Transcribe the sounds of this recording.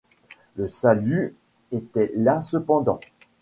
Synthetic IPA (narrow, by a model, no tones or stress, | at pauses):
ləsaly | et̪ɛlasəpɑ̃d̪ɑ̰̃